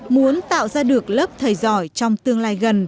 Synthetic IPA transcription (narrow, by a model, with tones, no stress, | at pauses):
mu˨˦ənt̪a̰ː˧˨wzaː˧ɗɨ˨˩ək̚ləː˦˥p̚t̪ʰəː˨˩jzɔ˧˩jt͡ɕɔ˧wŋ͡mt̪ɨ˧əŋlaː˧jɣə˨˩n